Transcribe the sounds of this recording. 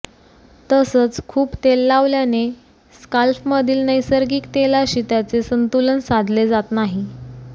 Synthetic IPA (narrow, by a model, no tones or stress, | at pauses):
t̪əsət͡skʰuːpt̪elːaʋljane | skalfməd̪ʱiːlnəjsəɾɡiːkt̪elaɕiːt̪jat͡sesənt̪ulənsad̪ʱled͡zat̪naɦi